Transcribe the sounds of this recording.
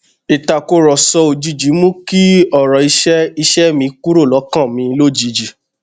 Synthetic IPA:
i˨ta˨ko˧ɾɔ˨sɔ˧o˨d͡ʒi˨d͡ʒi˨˦mũ˦ki˦ɔ˦˨ɾɔ˨i˧ʃɛ˦i˧ʃɛ˦mĩ˧ku˦ɾo˦˨lɔ˨˦kã˦˨mĩ˧lo˦˨d͡ʒi˨˧˦d͡ʒi˨

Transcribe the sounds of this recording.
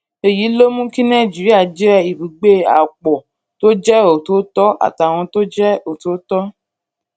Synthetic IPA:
e˨ji˨˦lo˦mũ˦kĩ˦nɛ̃˦˨d͡ʒi˨ɾa˦˨d͡ʒi˦ɾɛ˦˨i˨bi˨ɡ͡be˦a̰˨k͡pɔ˨ | to˦d͡ʒɛ˦o˨to˨˦tɔ˦a̰˨ta˨w̃ɔ̃˧to˦d͡ʒɛ˦o˨to˨˦tɔ˦

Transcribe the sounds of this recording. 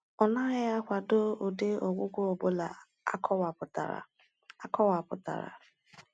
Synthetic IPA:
ɔ˨na˦ja˦kʷa˨do˦o˨de˦o˨ɡʷʊ˦ɡʷo˦o˨bo˦la˨ | a̰˦kʰɔ˦wa˨pʊ˨ta̰˨ɾa̰˨ | a˦kɔ˦wa˨pʊ˨ta̰˨ɾa̰˨

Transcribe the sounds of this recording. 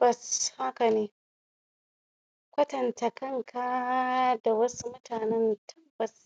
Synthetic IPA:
b̥ɐ˨sha˦kɐ˨neː˦ | kʷɐ˦tɐ˨ntɐ˨kɐ˦˨ŋkʰa˦da˨wɐ˦su˦mʊ˦tʰaː˨nɛ˦ntʰɐ˦bːɐ˨s

